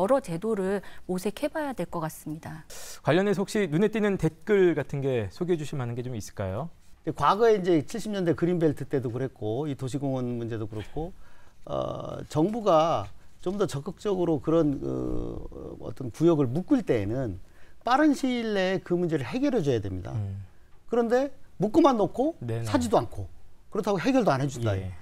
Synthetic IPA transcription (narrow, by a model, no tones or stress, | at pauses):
ʌɾʌt͡ɕe̞doɾɯɭosʰe̞kʰhe̞bajadwe̞ɭk͈ʌk͈as͈ɯmɲidakwaʎːʌnesok̚ɕ͈inunet͈inɯnte̞t̚k͈ɯɭɡatʰɯnɡe̞sʰoɡiɦed͡ʑuɕʰimɦanɯnɡe̞t͡ɕomis͈ɯ̥ɭk͈ajond͡ʑekwaɡʌe̞ind͡ʑe̞t͡ɕʰiɭɕ͈ʰimɲʌndekɯɾimbeɭtʰɯt͈e̞dokɯɾe̞t̚k͈oitoɕʰiɡoŋʌnmund͡ʑe̞dokɯɾʌk͈ʰoʌ̰t͡ɕʌŋbuɡat͡ɕomdʌt͡ɕʌk͈ɯk̚t͡ɕ͈ʌɡɯɾokɯɾʌnkɯ̰ | ʌ̰t͈ʌnpujʌɡɯɭmuk͈ɯɭt͈e̞ːnɯnp͈aɾɯnɕʰiɭːe̞kɯmund͡ʑe̞ɾɯɭɦe̞ɡjʌɾʌd͡ʑʌjadwe̞̰mɲida̰ | kɯɾʌnde̞muk͈ɯmanːokʰonsʰad͡ʑidoankʰokɯɾʌtʰaɡoɦe̞ɡjʌɭdoanɦe̞d͡ʑundajo